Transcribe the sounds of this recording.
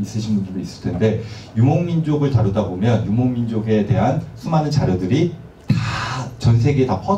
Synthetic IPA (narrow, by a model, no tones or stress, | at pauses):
is͈ɯɕʰinbundɯɾois͈ɯɭtʰe̞nde̞ | jumoŋmind͡ʑoɡɯɭtaɾudabomjʌnjumoŋmind͡ʑoɡe̞te̞ɦansʰumanɯnt͡ɕaɾjʌdɯɾi | tat͡ɕʌnsʰe̞ɡeːtapʰʌ